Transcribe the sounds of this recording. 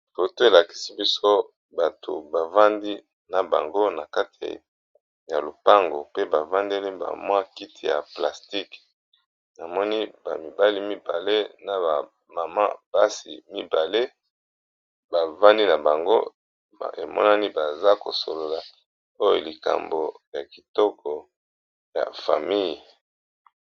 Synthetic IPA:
fo˨to˦e˨la˨ki̥˨si˦bi˦so˦ | ba˨tʰo̰˨ba˨va˦ndi˦ | na˨ba̰˨ŋɡo˦na˨ka˦ti˨ḭ˨ | ja˨lo˨pa˦ŋɡo̰˨pe˦ba˨va˦nde˦li˦ba̰˨mwa˦ki˦ti˨ja̰˨pla˨sti˦k | na˨mɔ˦ni˦ba̰˨mi˨ba˦li˦mi˦ba̰˨le˦na˨ba˨ | ma˨ma̰˦b̥a˦sḭ˨mi˦ba˨le˦ | ba˨va˦ni˦na˨ba˨ŋɡo˦˨ | e˨mɔ̰˦na˦ni˦ba˨za˦ko̰˨so˨lo˨la˨ | o˦jo˨li˨ka̰˨mbo˨ja˨ki˨tɔ˦kʰɔ˨ | ja̰˨fa˨mi˦j

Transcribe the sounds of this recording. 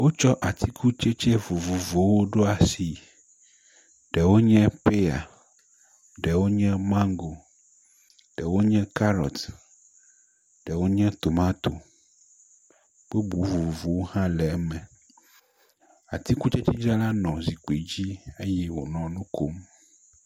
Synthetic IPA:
wo˦t͡ʃɔ˦ʔa˨t̪ʰi˦kʰu˦t͡ʃe˦t͡ʃɛ˦vo˨vo˨vo˨wo˦ɖo˦a˨si˨ | ɖɛ˨wo˦ɲɛ̃˦pe˦ja̰˨ | ɖɛ˨wo˦ɲɛ̃˦mã˦ŋɡo˨ | ɖ̥ɛ˨wo˦ɲɛ̃˦ka˦ɾɔ̰˨t̪ | ɖ̥ɛ˨wo˦ɲɛ̃˦t̪o˨mã˦t̪o˨ | b̥e˦bu˨˦vu˨vo˨vo˨wo˦hã˦lɛ˨˦mɛ̃˨ | a̰˨t̪i˦ku˦t͡ʃɛ˦t͡ʃɛ˦d͡ʒɾa˦la˦nɔ̃˨zi˨k͡pe˨d͡ʑi˦e˦jɛ˦wo̰˨nɔ̃˨nũ˦ko˦m

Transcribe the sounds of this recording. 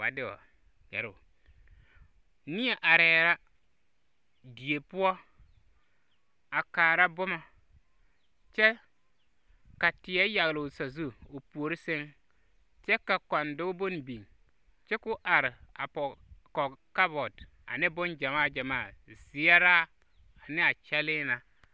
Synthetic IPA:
wa̰˨dɪ˦wɔ̰˨ | ɡɛ˨ɾo˨ | ni˦a˨ʔa˨ɾɛː˨ɾa˦ | di˨e˨pu˦ɔ˦ | a˨kaː˨ɾa˦bʊ˦ma˨ | t͡ʃɛ˦ | ka˨tɪ˨ɛ˦ja˨ɣlo˨sa˨zu˦o˨pu˨o˨ɾɪ˦sɪ˦ŋ | t͡ʃɛ˦ka˨ka˨ndʊ˦ɡbo˦n˨bi˨ŋ | t͡ʃɛ˦kʊ˦ʔa˨ɾɪ˨a˨pɔ˨kɔ˨ka˦bɔ˨d | a̰˨nɪ˦bʊ˦nd͡ʒa˨maː˦˨d͡ʒa˨maː˦˨z̥ɪ˨a˦ɾaː˦ | a˨nɪ˦a˨t͡ʃɛ˦lɪː˦na˨

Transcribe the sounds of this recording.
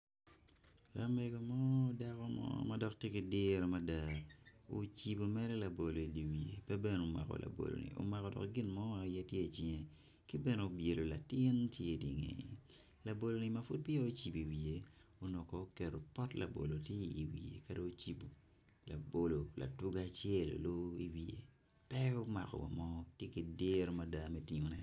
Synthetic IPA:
ka˦me˨ɡo˨mɔ˦da˦kɔ˦mɔ̰˦ma˦dɔ˨k̚tje˦kɪ˨dɪ˦ɾo˨ma˦da˨o˦t͡ʃi˨bo˨mɛ˦ɾɛ˦la˨bo˨lo˨i˨li˨wi˨e˨pɛ˦be˦no˨ma̰˨kɔ̰˨lʔa̰˨bo̰˨lo̰˨nḭ˨ʔo̰˨˦ma˨kɔ˨dɔ̰˨kɡɪ˦nmɔ˦a˨jɛ˦tje˦˨t͡ʃiŋe˨ | kɪ˦bɛ˦no˨o˨bje˨lo˨la˨tɪ˦ntje˦di˨ŋḛ˨ | la˨bo˨lo˨ni˨ma˨fu˦t̚pi˦o˦o˦t͡ʃi˨bi˨wi˨e˨o˦nɔ˨ko˨o˦ke˨ɾo˨pɔ˦tla̰˨bo̰˨lo˨tje˦i˨i˨wḭ˨ḛ˨ka˦do˦t͡ʃi˨bo˨ | la˨bo˨lo˨la̰˨tu˦ɡa˦˨t͡ʃjɛ˦˨lo̰˨lo˦i˦wi˨ḛ˨ | pɛ˦o˦ma̰˨kɔ̰˨wa̰˨mɔ˦tje˦ki˨˦de˦ɾo˦ma˨da˦mɛ˦ti˨ŋo˨nɛ˦

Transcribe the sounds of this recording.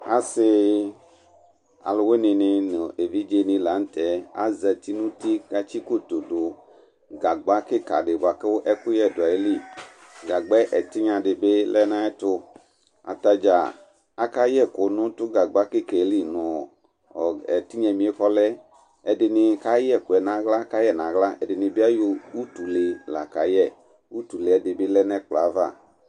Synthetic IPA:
a̰˦se˦ | a̰˨lo˨we˦nĩ˨nĩ˨no˨e˨vi˦d͡ʒe˦˨nĩ˨la˨˦n̩˦t̪ɛ˨˦a̰˦zɛ˨t̪i˦nũ˦t̪i˦ka˦t͡ʃi˦ko˦t̪o˨ɖo˨ | ɡa˨ɡ͡ba˦ke˦ka̰˨ɖe˨ba˨ke˦wo˦ʔɛ˦ku˦jɛ˦˨do˨a˨e˦li˦ | ɡa˨ɡ͡bɛ˦ʔɛ˨t̪i˦ɲã˨ɖe˨be˦lʔɛ˦nã˦ɛ˦t̪o˦ | a̰˨ta˨d͡ʒa˨ | a˦ka˦jɛ˦kʊ˨˦nʊ̃˦tʊ˦ɡa˨ɡ͡ba˦kɪ˦kɛ˨˦li˦nʊ̃˨ | ɔ˨ɛ˨ti˦ɲɛ̃˨mĩ˨˦e˦kɔ˦lɛ˦ | ɛ˨dɪ˨nɪ˨ka˦jɛ˦˨kʊ˨ɛ˨nã˨ɣla˦ka˦jɛ˦˨nã˨ɣla˦ɛ̰˨dɪ˨nɪ̃˨be˦a˦jo˦u˦tu˨le˨la̰˨ka˨jɛ˦˨ | wu˦tu˨le˨ɛ˨dɪ˨bɪ˦lɛ˦nɛ̃˦k͡pla˨˦va̰˦˨

